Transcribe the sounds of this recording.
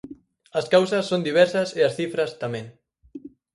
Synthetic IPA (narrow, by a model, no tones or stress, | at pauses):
ɐskawsɐsːond̪iβ̞ɛɾsɐsɪɐsθifɾɐst̪amɛ̃ŋ